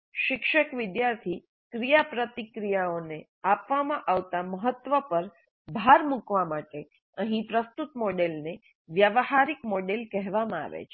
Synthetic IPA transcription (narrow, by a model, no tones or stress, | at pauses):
ʃɪkʃəkʋɪd̪jaɾt̪ʰi | kɾijapɾət̪ikɾijaone | apʋamãʔaʋt̪aməɦət̪ʋəpəɾ | bʱaɾmukʋamaʈe | əɦĩpɾəst̪ut̪moɖelne | ʋjəʋhaɾikmoɖelkɛɦʋamãa̰ʋḛt͡ʃʰe̥